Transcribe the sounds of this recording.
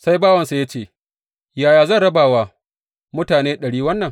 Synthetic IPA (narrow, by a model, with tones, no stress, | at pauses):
sa˦jbaː˦wɐ˨nsa˨ja˦t͡ʃeː˦˨ | jaː˨jaː˨zɐ˦nɽɐ˦baː˨waː˨ | mʊ˦taː˨neː˦ɗɐ˨ɽiː˦wɐ˦nːɐ˨ŋ